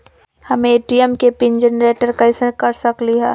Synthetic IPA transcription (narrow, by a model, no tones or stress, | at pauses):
hɐmẽeːʈiɛmkepɪnd͡ʒənɾeːʈəɾkaɪsəkɐɾsɐkliɦɛː